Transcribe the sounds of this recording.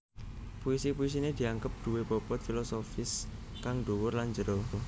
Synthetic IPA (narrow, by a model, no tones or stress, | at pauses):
puisipuis̬ined̪̥i̤aŋɡəp̚d̪̥ṳweb̥ɔb̥ɔt̪̚filosofɪs | kaŋɖ̥owʊrlaɲd͡ʒəɾo